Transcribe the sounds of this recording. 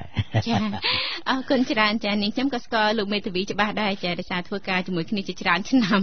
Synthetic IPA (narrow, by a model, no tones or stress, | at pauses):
t͡ɕaːʔɑːkʊnt͡ɕraənt͡ɕaːniəkʰɲomkɑːskŏəlloːk̚meːt̪ʰeʋiːt͡ɕə̆ɓahɗaɛt͡ɕaːɗaɔjsaːt̪ʰʋəːkaːt͡ɕiəmuəjkʰniət͡ɕiət͡ɕraənt͡ɕʰnam